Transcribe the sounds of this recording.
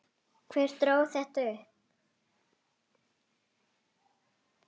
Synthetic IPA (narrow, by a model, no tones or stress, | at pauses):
kʰvɛːɾ̥t̪ɾoːwθɛht̪aʏp